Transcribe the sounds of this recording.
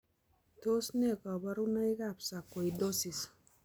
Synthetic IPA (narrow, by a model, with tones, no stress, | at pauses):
to˦sne˦˨ka˨ba˦ɾu˦na˦i˦ka˦psa˨kːo˨ido˦si˨s